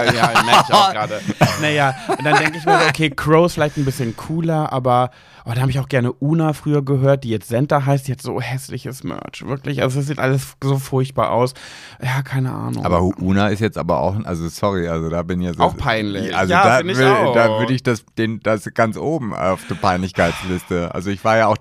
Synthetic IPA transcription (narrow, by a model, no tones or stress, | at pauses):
jaːmɛɪçʊxɡʁaːdənajaːʊntd̥and̥ɛŋkəɪçmiɐzoʔokʰeːkʰʁ̥oʊɪsfɪlaɪçtn̩bɪsçənkʰuːlɐʔaːbɐ | ʔaːbɐdanhaːbəɪçaʊxɡ̥ɛɐnəʔuːnafʁ̥yːɐɡəɦøːɐt̚d̥iːjɛt͡stz̥ɛntɐɦaɪstiːhatz̥o̰ːhɛslɪ̰çəsmœ̰ɐt͡ʃv̥ɪɐklɪçʔa̰lzoss̬ziːtʔaləszoːfʊɐçt̚b̥a̰ːɐʔa̰ʊs | jaːkʰaɪnəʔa̰ːnʊ̰ŋaːbɐʔuːnaɪstjɛt͡stʔa̰ːbɐ̰ʔa̰ʊxʔa̰lzosɔʁiʔalzodaːbɪnɪçazaʊxpʰaɪnllɪʔa̰lzjoaːdanɪdaːvʏɐɾəɪçd̥asd̥eːnd̥asɡ̥ant͡sʔoːbm̩̰ʊfd̥eːɐpʰaɪnlɪçkʰaɪt͡slɪstəʔa̰lzoɪçv̥aːɐjaːaʊx